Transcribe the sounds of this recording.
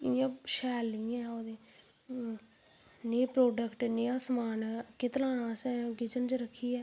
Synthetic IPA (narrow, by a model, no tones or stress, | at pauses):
ɪjãːʃɛːlːiɛ̃ːoːd̪eː | neːpɾoːɖəkʈneːãːsmaːnkɪt̪laːnãːsɛ̃ːɡɪd͡ʒənd͡ʒɾəkʰːiːɛː